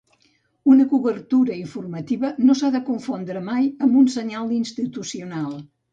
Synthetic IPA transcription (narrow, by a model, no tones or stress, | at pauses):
unəkuβəɾt̪uɾəiɱfuɾmət̪iβənosaðəkuɱfond̪ɾəmajəmbunsəɲalˠinst̪it̪usiunalˠ